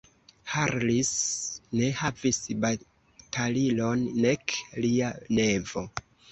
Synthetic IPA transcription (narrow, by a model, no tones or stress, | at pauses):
haɾlisne̞havisba | tʰalilonːe̞kliane̞vo̞